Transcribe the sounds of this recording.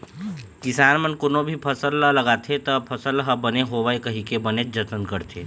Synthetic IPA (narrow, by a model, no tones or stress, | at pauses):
kɪsaːnmənkonobʱipʰɐsəlːələɡaːt̪ʰet̪ɐpʰɐsəlɦɐbəneɦoʋaekəɦĩkebəned͡ʒət̪ənkəɾt̪ʰeː